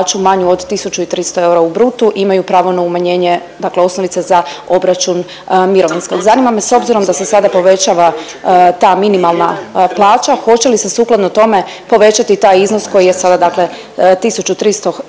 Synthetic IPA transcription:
t͡ʃumaɲuod̪t̪isut͡ʃuit̪ɾist̪o̞e̞uɾaubɾut̪uʔimajupɾaːʋo̞naumaɲe̞ːɲe̞ | d̪akleo̞snoʋit̪se̞zao̞bɾat͡ʃun | miɾo̞ʋinsko̞ɡzanimameso̞bziɾo̞md̪ase̞sad̪apo̞ʋe̞t͡ɕaːʋa | t̪aːminimalˠnaplˠaːt͡ɕaxo̞t͡ɕe̞lisesuːklˠad̪not̪o̞me̞ | po̞ʋe̞t͡ɕat̪it̪aːjizno̞sko̞jijesad̪ad̪akle̞ | t̪isut͡ʃut̪ɾist̪o̞

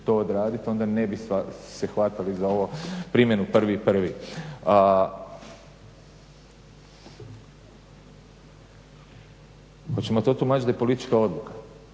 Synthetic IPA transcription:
t̪ood̪ɾaːd̪it̪o̞nd̪ane̞bisasexʋat̪alizao̞ʋopɾimje̞nupr̩ʋipr̩ʋi | xot͡ɕe̞mot̪o̞t̪umaːt͡ɕid̪ajepo̞lit̪it͡ʃkao̞d̪lˠukḁ

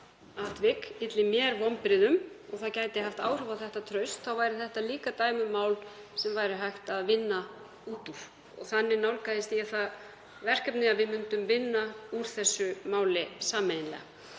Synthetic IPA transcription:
at̪vɪkɪt̪lɪmjɛɾvɔmpɾɪðʏmɔɣθaðcaːjt̪ɪɦaft̪aːwr̥œvaθɛht̪at̪ʰɾœɥst̪θawvaːjɾɪθɛht̪aliːkat̪aːjmʏmaːwlsɛmvajɾɪɦajht̪aðvɪnːa | uːt̪uɾ̥ | ɔ̰ɣθanːɪnawlkaðɪst̪iaθað | vɛr̥kɛpnɪaðvɪðmʏnt̪ʏmvɪnːauɾ̥θɛsːʏmaːwlɪsaːmɛnɪnlɛ̰a

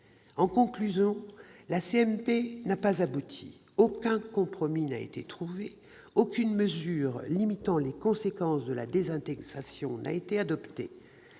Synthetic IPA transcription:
ɑ̃kɔ̃klyzjɔ̃laseɛmpenapazabut̪ʰḭ | okʲɛ̃kɔ̃pχɔminaḛt̪et̪χuve | okʲynməzyːʁlimit̪ɑ̃lekɔ̃sekɑ̃sd̪əla̰d̪ezɛ̃t̪ɛɡʁasjɔ̃na̰et̪ead̪ɔpt̪e

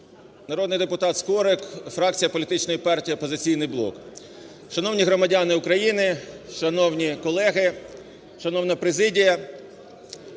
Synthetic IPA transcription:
nɐɾɔd̪nɪjd̪epʊt̪ɑt̪skɔɾɪkfɾɑk̚t͡sʲijɐpɔlʲit̪ɪt͡ʃnɔjipɑrtʲiiɔpɔzɪt͡sʲijnɪjblˠɔ̰k | ʃɐnɔwnʲiɦɾɔmɐdʲɑnɪukɾɐjinɪʃɐnɔwnʲikɔlˠɛɦɪ | ʃɐnɔwnɐpɾezɪdʲijɐ

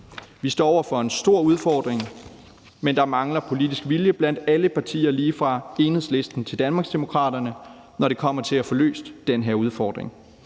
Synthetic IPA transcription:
ʋisd̥ɒ̰ːɒʊɐfɒ̽e̝nsd̥o̝ɐ̰uð̞ˠfɒːd̥ʁeŋ | mend̥ɑ̈mɑ̈ŋlɐpʰo̝lidisɡ̥ʋiljəb̥læn̰d̥æləpʰɑ̈t͡sʰḭːɐliːfʁɑ̈e̝ːnheðˠsle̝sd̥n̩t͡sʰe̝ld̥ænmɑ̈ɡsd̥e̝mo̝kʰʁɑ̰̈ːɾɐnə | nɒɾe̝kʰɒ̽m̰ɐt͡sʰe̝læfɒ̽lø̰ːsd̥ːenɦeɐ̰uð̞ˠfɒ̰ːd̥ʁḛŋ

